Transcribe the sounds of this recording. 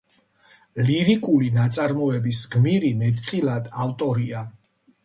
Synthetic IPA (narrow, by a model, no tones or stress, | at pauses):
liɾikʼulinat̪sʼaɾmɔɛbisɡmiɾimɛt̪t̪sʼilad̪aft̪ʼɔɾia